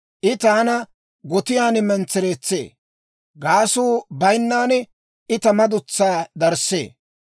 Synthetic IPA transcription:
ʔɪt̪aːnɐ | ɡɔt̪ɪjaːnɪmɛnt͡sːɛɾeːt͡sːḛː | ɡaːsuːbɐjnːaːnɛ | ɪt̪ɐmɐd̪ʊt͡sːaːd̪ɐɾsːḛː

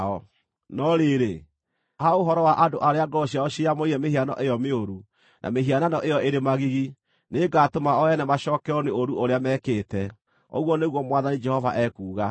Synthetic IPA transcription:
ɔ | nɔɾeɾe | haoɦɔɾɔwaʔadoʔaɾeaɡɔɕiaɔɕiamoiɾɛmeɦianɔ̰ʔejɔmeoɾu | nʔa̰meɦiananɔʔejɔeɾemaɣiɣi | neɡatomaɔɛnɛmaʃɔːkɛɔneoɾuʔoɾeamɛːkeːtɛ | o̰ɣwɔneɣwɔmwaðanid͡ʒɛhɔva̰ʔɛkuːɣa

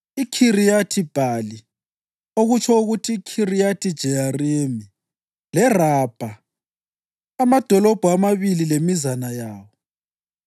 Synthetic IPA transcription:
ikʰirijatʰib̥ʱali | oɣut͡ʃʰɔuɣutʰikʰirijatʰid̥ʒ̥ʱɛjaremi | lɛrab̥ʱa | amad̥ʱɔlɔb̥ʱɔamaβililemizanajaːwɔ

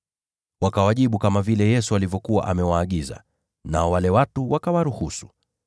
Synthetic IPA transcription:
wakawaʄiɓukamavilɛjɛsualivjɔkuwa̰ʔamɛwaːɠiza̰ | naɔwalɛwatuwakawaɾuhusu̥

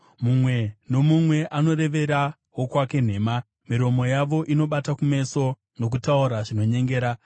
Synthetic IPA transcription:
mumwe̞no̞mumwe̞ʔano̞ɾe̞ʋe̞ɾa | ɦo̞kwake̞n̤e̞ːma | miɾo̞mo̞jaʋo̞ʔino̞ɓatakume̞so̞ | no̞k̬utauɾaʐino̞ɲe̞ŋɡeːɾa

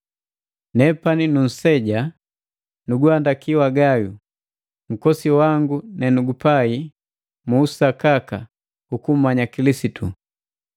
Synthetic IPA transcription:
nɛpaninun̩sɛɟa | nuɡuandakiwaɡajṵ | m̩kɔsiwaŋɡunɛnuɡupai | muːsakaka | ukum̩maɲakilisitu

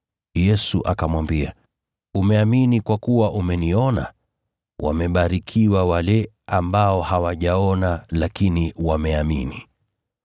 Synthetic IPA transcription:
jɛsuʔakamwambia | umɛaminikwakuwaʔumɛniɔna̰ | wʔa̰mɛɓaɾikʰiwawalɛ | ambaɔhawaʄaɔnalakiniwamɛamḭni

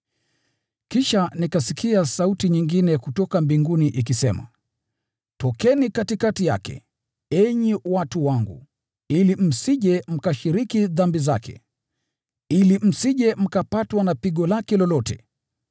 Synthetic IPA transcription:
kiʃanikasikʰiasautiɲiŋɡinɛkutɔkambiŋɡuniʔik̬isɛma̰ | tɔkɛnikatikatija̰kɛ̰ | ɛɲiwatuwaŋɡṵ | ilim̩siʄɛm̩kaʃiɾikiðambizakɛ̰ | ilim̩siʄɛm̩kapatwanapiɠɔlakɛlɔlɔtɛ̰

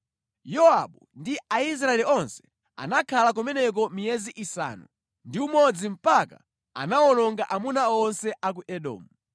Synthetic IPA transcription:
jɔaɓundiais̬ɾaɛliɔnsɛ̥ | a̰nakʰalak̬umɛnɛk̬ɔmijɛziʔisa̰ːnṵ | ndiumɔd͡zim̩paka̰ | a̰naɔnɔŋɡaʔamunaɔnsɛʔak̬uʔɛɗɔ̰ːmu

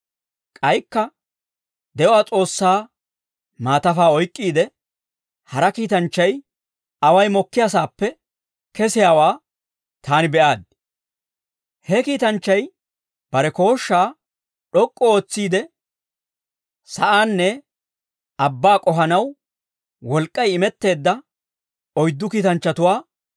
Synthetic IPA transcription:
kʼɐjkːɐ | d̪ɛʔɔaːt͡sʼo̞ːsːaː | maːt̪ɐfaːɔjkʼːiːd̪ɛ | hɐɾɐkiːt̪ɐnt͡ʃːɐj | ɐwɐjmɔkːɪjas̬aːpːɛ | kɛsɪjaːwaː | t̪aːnɪbɛʔaːd̪̚ | hɛkiːt̪ɐnt͡ʃːɐj | b̥ɐɾɛko̞ːʃːaː | ɗɔkʼːɔo̞ːt͡sːiːd̪ɛ | sɐʔaːnːɛ | ɐbːaːkʼɔɦɐnɐw | wɔlkʼːɐjɪmɛt̪ːe̞ːd̪ːɐ | ɔjd̪ːʊkiːt̪ɐnt͡ʃːɐt̪ʊwaː

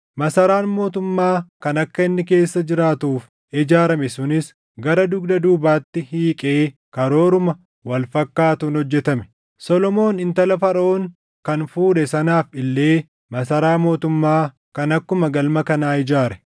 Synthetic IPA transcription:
mɐsɐɾaːnmo̞ːt̪ʊmːaːkɐnɐkːɐɪnːɪk̬e̞ːsːɐd͡ʒɪɾaːt̪uːf | ɪd͡ʒaːɾɐmɛsʊnɪs | ɡɐɾɐd̪ʊɡd̪ɐd̪uːbaːt̪ːɪhiːkʼe̞ːkɐɾo̞ːɾʊmɐ | wɐlfɐkːaːt̪uːnhɔd͡ʒːɛt̪ɐmɛ̥ | sɔlɔmo̞ːnɪnt̪ɐlɐfɐɾo̞ːŋ | kɐnfuːᶑɛsɐnaːfɪlːe̞ː | mɐsɐɾaːmo̞ːt̪ʊmːaː | kɐnɐkːʊmɐɡɐlmɐkɐnaːɪd͡ʒaːɾɛ̥

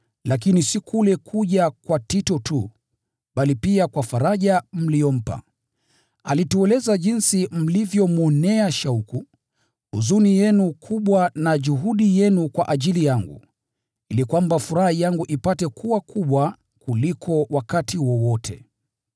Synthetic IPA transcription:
lak̬inisikʰulɛkʰuʄakwatitɔtu | ɓalipiakwafaɾaʄam̩lijɔm̩pa̰ | alituɛlɛzaʄinsim̩livjɔmɔnɛaʃauku | uzunijɛnukʰuɓwanaʄuɦuɗijɛnukwaʔaʄilijaŋɡṵ | ilikwambafuɾahijaŋɡuʔipatɛkʰuwakʰuɓwa | kulikʰɔwakatʰiwɔwɔtʰɛ̰

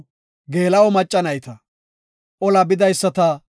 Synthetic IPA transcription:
ɡe̞ːlɐwɔmɐt͡ʃʼːɐnɐjt̪ɐ | ʔɔlɐbɪd̪ɐjsːɐt̪ɐ

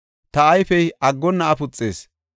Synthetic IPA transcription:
t̪ɐɐjfɛjɐɡːɔnːɐːpʊt͡sʼːḛːs

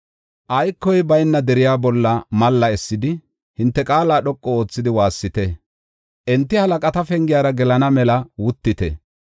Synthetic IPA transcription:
ʔɐjkːɔjbɐjnːɐd̪ɛɾɪjaːbɔlːɐmɐlːɐɛsːɪd̪ɪ | hɪnt̪ːɛkʼaːlaːɗɔkʼːɔo̞ːt͡sːɪd̪ɪwaːsːɪt̪ɛ | ʔɛnt̪ːɪhɐlɐkʼɐt̪ɐfɛŋɡɪjaːɾɐɡɛlɐnɐmɛlɐwʊt̪ːɪt̪ɛ̰

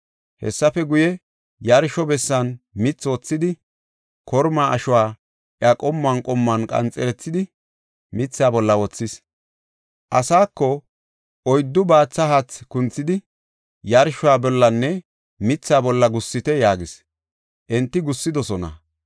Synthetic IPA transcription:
hɛ̰sːɐfɛɡʊjɛ | jɐɾʃɔbɛsːɐnmɪt͡sːwɔt͡sːɪd̪ɪ | kɔɾmaːʔɐʃʊwaː | ʔjakʼɔmːɐnkʼɔmːɐnkʼɐ̰nt͡sʼːɛɾɛt͡sːɪd̪ɪ | mɪt͡sːaːbɔlːɐwɔt͡sːɪs | ʔɐsaːkːɔ | ʔɔjd̪ːʊbaːt͡sːɐhat͡skʊnt͡sːɪd̪ɪ | jɐɾʃʊwaːbɔlːɐnːɛ | mɪt͡sːaːbɔlːɐɡʊsːɪt̪ɛjaːɡɪs | ʔɛnt̪ːɪɡʊsːɪd̪ɔsɔnɐ̰

